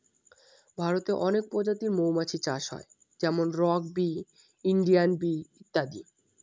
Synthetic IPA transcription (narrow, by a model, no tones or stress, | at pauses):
bʱaɾot̪eʔɔnek̚pɔd͡ʑat̪iɾmowmat͡ɕʰit͡ɕaʃɦɔ̰e | d͡ʑɛmonɾɔk̚bi | iɳɖianbiit̪ːad̪i